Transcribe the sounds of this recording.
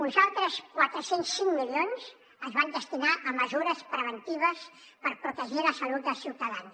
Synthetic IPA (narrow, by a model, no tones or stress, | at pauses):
unzalˠt̪ɾəskwat̪ɾəsensːiŋmilionz | əzβand̪əst̪inaʔəməzuɾəspɾəβ̞ənt̪iβ̞əs | pəɾpɾut̪əʒiləsəlud̪̚d̪əlˠsiwt̪əðans